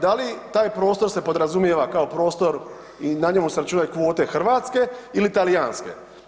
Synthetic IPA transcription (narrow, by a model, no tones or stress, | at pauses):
d̪alit̪aːjpɾo̞ːst̪o̞ɾse̞po̞d̪ɾazumjeʋakao̞pɾo̞ːst̪o̞ɾ | inaɲe̞museɾat͡ʃuːnajkʋo̞ːt̪e̞xr̩ʋaːt̪ske̞ilit̪alijaːnske̞̰